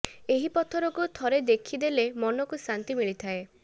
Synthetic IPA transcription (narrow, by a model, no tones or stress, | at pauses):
eɦipɔt̪ʰɔɾɔkut̪ʰɔɾed̪ekʰid̪elemɔnɔkusɾant̪imiɭit̪ʰae